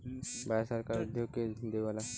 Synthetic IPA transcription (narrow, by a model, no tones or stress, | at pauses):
basəɾkaɾud̪ʱjoɡked͡ʒʱɪnd̪iʋala